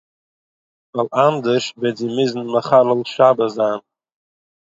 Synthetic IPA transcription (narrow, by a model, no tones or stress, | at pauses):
valˠand̪əʃbɛzimɪzn̩məχaləlˠʃabəzaːn